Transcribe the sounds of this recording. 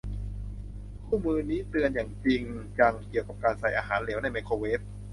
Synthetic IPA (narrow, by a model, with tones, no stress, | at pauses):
kʰuː˥˩mɯː˧niː˦˥t̪ɯ˧ənjaː˨˩ŋt͡ɕi˧ŋt͡ɕa˧ŋki˨˩əwka˨˩p̚kaː˧nsa˨˩jʔaː˧ɦaː˩˦nleː˩˦wna˧jme˧kʰoː˧weː˦˥p̚